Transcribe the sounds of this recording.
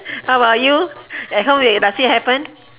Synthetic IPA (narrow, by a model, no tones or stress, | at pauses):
hawbajuɛt̚hõmidasĩhɛpə̃n